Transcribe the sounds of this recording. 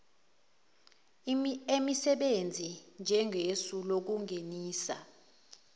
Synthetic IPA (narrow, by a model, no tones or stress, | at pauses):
emisɛɓend͡zʱind͡ʒʱɛŋʱesulok̬uŋeniːsa̰